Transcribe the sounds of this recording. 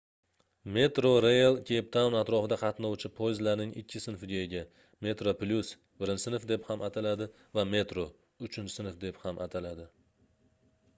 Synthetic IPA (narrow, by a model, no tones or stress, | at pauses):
me̞t̪ɾoɾejalˠkʲʰep̚t̪ʰawnat̪ɾɒfɪd̪aqʰɑt̪nɒwt͡ʃʰɪpʰojzlaɾnɪŋɪ̰kʲʰːɪsɪnfɪɡʲajɪɡʲa | me̞t̪ɾoplʲus | bɪɾɪnsɪnfd̪e̞phamʔat̪ʰalad̪ɪ | vame̞t̪ɾo | ʊt͡ʃʰɪnt͡ʃsɪnɪfd̪e̞phamʔat̪ʰalad̪ɪ